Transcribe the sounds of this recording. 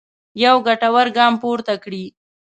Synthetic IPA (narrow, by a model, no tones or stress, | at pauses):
jawɡaʈawaɾɡɑːmpoɾt̪akɽi